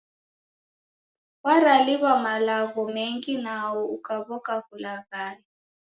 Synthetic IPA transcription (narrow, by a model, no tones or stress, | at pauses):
waraliβamalaɣɔmeŋkʼinawɔukʼaβɔkʼakulaɣaːli